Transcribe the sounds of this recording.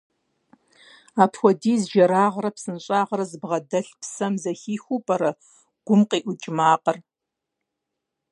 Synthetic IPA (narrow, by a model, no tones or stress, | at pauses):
aːpʰxʷɔdiːzʒɐɾaːʁɾɐpsɨnɕʼaːʁɐɾɐzɨbʁɐdɐɬpsɐmzɐxiːxʷuːpʼɐɾɐ | ɡ̥ʷʊmqiːʔʷʊt͡ʃʼɪmaːqɐr